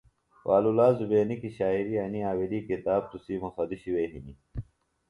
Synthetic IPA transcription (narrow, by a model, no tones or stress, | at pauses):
wa̰ːlulaːzubeːnikiɕaːiɾiɐniaːwiliːkit̪aːb̚t̪usiːmusɐd̪iɕiweːɦini